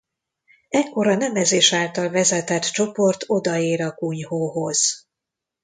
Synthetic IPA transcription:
ɛkːo̞ɾɒnɛmɛzeːʃaːlt̪ɒlvɛzɛt̪ɛt̪t͡ʃo̞po̞rt̪ʰo̞d̪ɒeːɾɒkuɲhoːɦoz̥

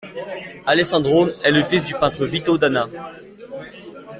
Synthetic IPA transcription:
alɛsɑ̃d̪ʁomɛləfis̬d̪ypɛ̃t̪χəvit̪od̪ana

